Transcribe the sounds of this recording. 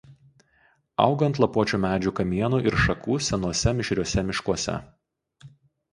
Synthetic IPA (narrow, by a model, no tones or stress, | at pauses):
ɐ̰ʊɡɐnt̪lˠɐpuɔt͡ʃʲuːmʲæːd͡ʒʲuːkɐmʲiɛnuːʔɪɾʃɐkuːsʲɛnuɔsʲɛmʲɪʃʲɾʲuɔsʲɛmʲɪʃkuɔsʲɛ̰